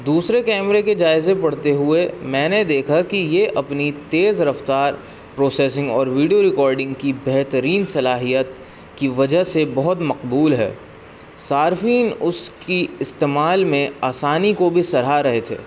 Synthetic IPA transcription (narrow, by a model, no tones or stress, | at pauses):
d̪uːsɾekɛːmɾeked͡ʒaːɪzepɐɽ̤t̪eɦʊemɛ̃ːned̪eːkʰakijeʔɐpnit̪eːzɾɐft̪aːɾ | pɾoːsɛːsɪ̃ŋɡɔːɾʋiːɖijoɾɪkɔːɾɖɪ̃ŋɡkibɛɦt̪əɾiːnsɐlaːɦijət̪ | kiʋɐd͡ʒəɦsebɐɦʊt̪mɐqbuːlɦɛ̰ː | saːɾfiːnʊskiɪst̪eːmaːlmẽaːsaːnikobʱisɐɾ̤aɾɐɦet̪ʰḛː